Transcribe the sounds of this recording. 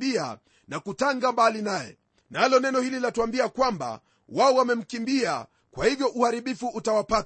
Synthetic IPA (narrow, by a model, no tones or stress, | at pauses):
ia̰ | nakutaŋɡambalinajɛ̰ | nalɔnɛnɔhililatuambiakwamba̰ | waɔwamɛm̩kimbia̰ | kwahivjɔʔuhaɾiɓifuːtawapat